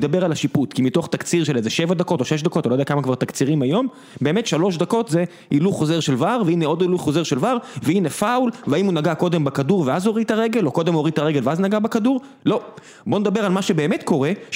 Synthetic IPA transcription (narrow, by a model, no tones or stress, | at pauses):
d̪abe̞ʁalaʃiput̪kimito̞χt̪akt͡siʁʃelezeʃe̞vad̪ako̞t̪o̞ʃeʃ̬d̪ako̞tanojdeakamakvaʁt̪akt͡siʁimajo̞m | be̞ːmetʃalo̞ʃ̬d̪ako̞tze | iluχo̞ze̞ʁʃelvaʁveineo̞dilujχo̞ze̞ʁʃe̞lvaʁveinefaulveaimunaɡako̞d̪e̞mbakaduʁveazo̞ʁit̪aʁe̞ɡe̞lo̞kod̪emoʁit̪aʁeɡelveaznaɡabekaduʁ | lo̞ | bo̞ned̪abe̞ʁalmaʃe̞be̞ːme̞t̪ko̞ʁe̞